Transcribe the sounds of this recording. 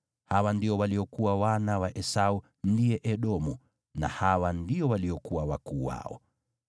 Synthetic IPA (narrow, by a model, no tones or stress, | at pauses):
hawandiɔwaliɔkuwawanawaʔɛsau | ndiɛʔɛɗɔmu | na̰hawandiɔwaliɔkuwawa̰kuːwa̰ɔ̰